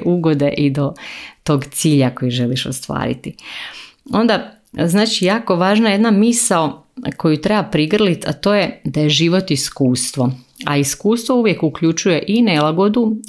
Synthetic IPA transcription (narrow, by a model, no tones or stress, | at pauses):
ʔuɡo̞d̪eʔid̪o̞t̪o̞ɡt̪siːʎako̞jiʒe̞liʃo̰st̪ʋa̰ːɾḭt̪i | o̞nd̪a | znaːt͡ʃijaːko̞ʋaːʒnaje̞d̪namisaoko̞jut̪ɾe̞bapɾiɡr̩lit̪at̪o̞ːje̞d̪ajeʒiʋo̞t̪iskuːst̪ʋo | a̰iskuːst̪ʋo̞uʋjekukʎut͡ʃuje̞ʔinelaɡo̞d̪u